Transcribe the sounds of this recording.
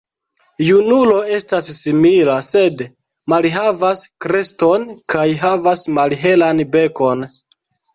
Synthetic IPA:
junulo̞e̞stasːimilase̞d | malɦavaskɾe̞sto̞nkajɦavasmalɦe̞lanbe̞ko̞n

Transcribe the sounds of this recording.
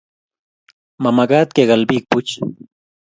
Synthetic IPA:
mamaɢat̪̚keɢalbik̚pʊt͡ʃ

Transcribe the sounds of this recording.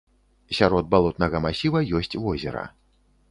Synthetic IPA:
sʲaɾɔd̪̚balˠɔt̪nɐɣɐmasʲivɐjɔsʲt͡sʲvɔzʲɛ̰ɾɐ̰

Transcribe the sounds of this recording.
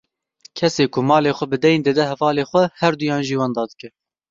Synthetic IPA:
kʰɛseːkʊmɑːleːxʷɛbɨd̪ɛjnd̪ɛd̪ɛhɛvɑːleːxʷɛhɛɾd̪ujɑːnʒiːwɑːnd̪ɑːd̪ɨ̥kɛ

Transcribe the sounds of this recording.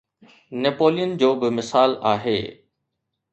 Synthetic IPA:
nepoːlijənd͡ʑoːbɪmɪsaːlaːɦḛː

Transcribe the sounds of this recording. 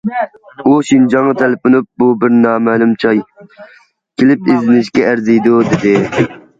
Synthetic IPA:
uʃind͡ʒɑŋːɑt̪ʰɛlɪpʊnup̚bubɪɾnɑːmɛlˠumt͡ʃʰɑj | kʲʰelɪpizɪnɪʃkʲɛæɾzijd̪ud̪ɪd̪ɪ

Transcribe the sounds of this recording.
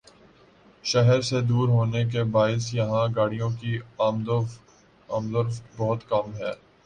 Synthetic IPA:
ʃɛɦɛɾsed̪uːɾɦoːnek̬ebaːɪsjɐɦãɡaːɽijõkimd̪ | aːmd̪əɾfbɔɦʊt̪kɐmɦɛː

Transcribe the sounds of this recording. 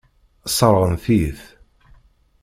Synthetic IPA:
sˤɑɾˤɾˤənθiθ

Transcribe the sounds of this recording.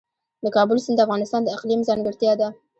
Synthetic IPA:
d̪əkɑbʊlsənd̪əafɣɑnɪst̪ɑnd̪əɪqlimzɑŋɡəɾt̪jɑd̪a

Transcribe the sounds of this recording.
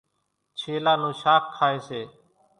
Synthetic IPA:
t͡ʃʰeːlaːnũːʃaːkʰːaːeːseː

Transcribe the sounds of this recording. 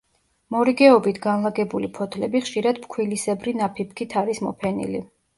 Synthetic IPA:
mɔɾiɡɛɔbit̪ʰɡanlˠaɡɛbulipʰɔt̪ʰlɛbiχʃiɾad̪̥pkʰwilisɛbɾinapʰip̚ʰkʰit̪ʰaɾismɔ̰pʰɛnḭlḭ

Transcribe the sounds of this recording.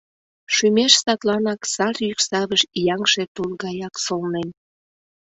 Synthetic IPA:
ʃymeʃsɑt̪lɑnɑksɑrjyksɑβəʃjɑŋʃet̪ulɣɑjɑksolnen

